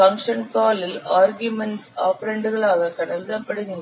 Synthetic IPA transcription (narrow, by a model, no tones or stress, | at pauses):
fɐŋkʂɐnkaːlɪlaːɾɣjʊmɛnʈsaːpɐɾeɳɖɯɣɐɭaːɣɐkɐɳɐldɐpːɐɽɯɣɪɳɐ